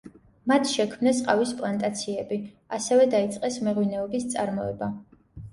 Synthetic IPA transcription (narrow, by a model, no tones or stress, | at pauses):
mat̪ʰʃɛkʰmnɛsqʼavispʼlˠant̪ʼat̪sʰiɛbi | asɛvɛd̪ait̪sʼqʼɛsmɛʁwinɛɔbist̪sʼaɾmɔɛ̰ba